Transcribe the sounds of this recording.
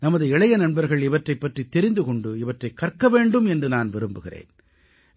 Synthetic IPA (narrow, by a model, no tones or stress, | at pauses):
nɐmɐðɯɛɭɐjɐnɐɳbɐɾɣɐɭɪʋɐʈrɐɪpːɐʈrit̪ːɛɾɪnd̪ɯkɔɳɖɯɪʋɐʈrɐɪkːɐrkːɐʋeːɳɖɯmɛndrɯnaːnʋɪɾɯmbɯɣɪrḛːn